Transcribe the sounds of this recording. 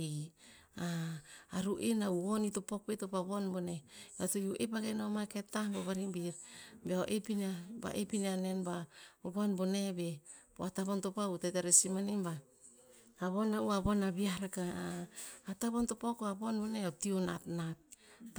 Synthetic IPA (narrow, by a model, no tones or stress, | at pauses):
aː | ɾuʔenauonitopok̚betopaβonbonebatojuʔepaɡenaomaketahboβaɾimbiɾbeoʔepinaba̰ʔepinianenbaobonbone̞be | po̰ataβontopautetaɾesimanimba | aβonauaβonabiahɾakaː | taβontopakoaβonboneationa̰tnat̚ː